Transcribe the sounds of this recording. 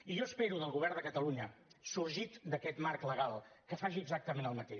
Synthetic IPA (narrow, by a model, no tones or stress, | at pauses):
iʒɔəspeɾuðəlˠɣuβɛrnd̪əkət̪əluɲəsuɾʒit̪d̪əkɛt̪markləɣalˠkəfaʒiəɡzak̚t̪əmenəlˠmət̪e